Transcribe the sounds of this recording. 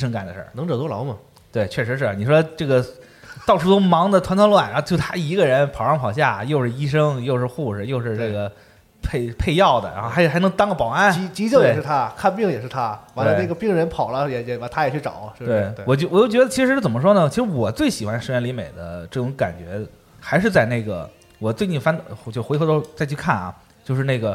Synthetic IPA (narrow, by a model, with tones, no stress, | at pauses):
ʂɤ˥ŋka˨˩nd̪ə˩ʂə̰˥˩nɤ˧˥ŋʈ͡ʂɤ˨˩t̪wɔ˥lɑ̰˧˥ʊmɐ˨ | t̪we˥˩ɪt͡ɕʰɥɛ˥˩ʂɻ̩˧˥ʂ̬ɻ̩˥˩ni˨˩ʂwɔ˥d̪ʈ͡ʂɤ˥˩ɡə˩ | t̪ɑ˥˧ʊʂu˥˩o˥ʊmɑ˧˥ŋd̪ə˨t̪ʰa˧˥nt̪ʰwlwa˥˩nɻʊt͡ɕo˥˧ʊ˩a˥i˧˥ɡə˧ɻə˧˥npʰɑ˨˩ʊʂɑ˥˩ŋ˩pʰɑ˨˩ɕ̬ja˥˩jo˥˧ʊʂɻ̩˥˩˧i˥ʂɤ˥ŋjo˥˧ʊʂɻ̩˥˧xu˥˩ʂ̩˨˩jo˥˧ʊʂɻ̩˥˧ʈ͡ʂɤ˥˩ɡə˩ | pʰe˥˧ɪpʰe˥˧ɪjɑ˥˩ʊd̪ə˩ɻa˧˥xo˥˩xa˧˥˩xnɤ˧˥ŋt̪ɑ˥ŋɡə˩pɑ˨˩ʊa˥˩nt͡ɕi˧˥t͡ɕi˧˥t͡ɕjwje˥˨˧ɪʂɻ̩ʰ˥˩a˥kʰa˥˧npi˥˩ŋjɛ˨˩ʂɻ̩˥˩t̪ʰa˥ta˧˥welə˧˩ne˥˩ɡə˩pi˥˩ŋɻə˧˥npʰɑ˨˩ʊlə˦jɛ˧˥jɛ˧˩a˧˥t̪ʰa˥jɛ˨˩t͡ɕʰy˥˩ʈ͡ʂɑ̰˨˩˦ʊ˥˩we˥ɪ˧wɔ˨˩t͡ɕjo˥˩ʊwɔ˨˩t͡ɕjo˥˩ʊt͡ɕɥd̪ə˧˩t͡ɕʰi˧˥ʂɻ̩˧˥˩t͡sə˨˩mə˦ʂ̬wɔ˥nə˨t͡ɕʰi˧˥ʂɻ̩˧˥wɔ˨˩t͡swe˥˩ɪɕi˨˩xwa˧˥nʂɻ̩˧˥ɥɛ˧nli˧˥me˨˩ɪd̪ə̰˦ʈ͡ʂɤ˥˩ʈ͡ʂʊ˧˥ŋka̰˨˩nt͡ɕɥɛ̰˧˥ | xa˧˥ɪʂ̬ɻ̩˥˧t͡sa˥˧ɪne˥˩ɡə̰˩ | wɔ˨˩t͡swe˥˧ɪt͡ɕ̪i˥˩nfa˥nt͡ɕjo˥˩ʊ˩xe˧˥ɪxɤ˧˥d̪ʂt͡sa˥˧ɪt͡ɕʰy˥˧kʰa˥˩nɐ̰˩ | t͡ɕjo˥˧ʊʂ̬ɻ̩˧ne˥˩ɡə˩